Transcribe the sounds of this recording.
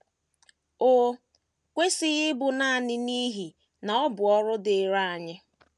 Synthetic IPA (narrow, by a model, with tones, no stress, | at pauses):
o˦ | kʷe˦sɪ˦ɣɪ˦bʊ˨na˦a˨nɪ˦ni˦ɦi˨ | na˨ɔ˦bʊ˨ɔ˦ɾʊ˦dɪ˨ɾa˦˨a˨ɲɪ˦